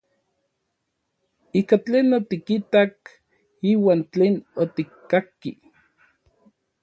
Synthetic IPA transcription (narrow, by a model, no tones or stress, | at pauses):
iːkat͡ɬeːnot̪ikit̪ak | iːwaːnt͡ɬeːnot̪ikːakːḭ